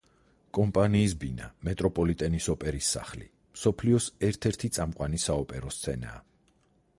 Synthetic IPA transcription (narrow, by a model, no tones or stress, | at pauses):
kʼɔmpʼaniːsbinamɛt̪ʼɾɔpʼɔlit̪ʼɛnisɔpʼɛɾisːa̰χlḭ | msɔpʰliɔsɛɾt̪ʰɛɾt̪ʰit̪sʼamqʼwanisaɔpʼɛɾɔst̪sʰɛna̰ː